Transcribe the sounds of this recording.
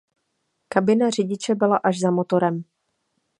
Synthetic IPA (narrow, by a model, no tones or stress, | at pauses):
kabɪnar̝ɪɟɪt͡ʃɛbɪlaʔaʒzamot̪o̞ɾɛm